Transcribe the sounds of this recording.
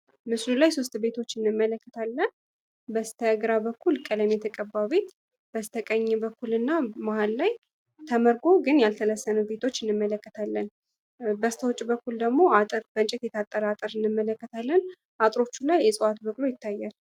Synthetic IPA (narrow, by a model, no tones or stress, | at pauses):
mɨslulajso̞s̬t̪be̞t̪ʰo̞t͡ʃːɨnːɨmːələkːət̪ʰalːən | bəst̪ʰəɡɾabəkʰːulkʼələmjɛt̪ʰəkʼəbːawbe̞t̪ | b̥əst̪ʰəkʼəɲːɛbəkːulɨnːamahalːaj | t̪ʰəməɾɡo̞ɡɨnjalt̪ʰələsːənəbe̞t̪ʰo̞t͡ʃːɨnːɨmːələkːət̪ʰalːən | bəst̪ʰəwot͡ʃʼːbəkːuld̪əɡmo̞at̪ʼɨɾb̥ənt͡ʃʼɪt̪jɛt̪ʰat̪ʼːəɾat̪ʼɨɾɨnːɨmːələkːət̪ʰalːən | ʔat̪ʼɾo̞t͡ʃːulajːɛsʼəat̪bəkʼlo̞jɪt̪ʰːajːal